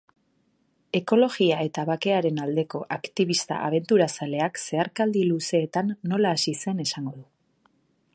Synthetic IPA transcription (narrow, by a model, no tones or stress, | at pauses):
e̞ko̞lo̞ɣiae̞t̪aβake̞aɾe̞nald̪e̞ko̞ʔakt̪iβ̞ist̪a̰ʔaβ̞e̞nt̪uɾasale̞akse̞aɾkald̪iluse̞ːt̪anːo̞laːsise̞ne̞saŋɡo̞ðu